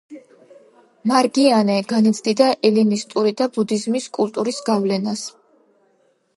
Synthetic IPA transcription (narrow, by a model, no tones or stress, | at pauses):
maɾɡianɛɡanɛt̪sʰd̪id̪aʔɛlinist̪ʼuɾid̪abud̪izmiskʼult̪ʼuɾisɡavlɛnas